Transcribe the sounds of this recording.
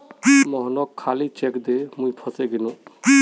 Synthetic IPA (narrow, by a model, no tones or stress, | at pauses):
mɔɦnɔkʰːalit͡ʃɛkd̪emũjpʰɔseɡinũ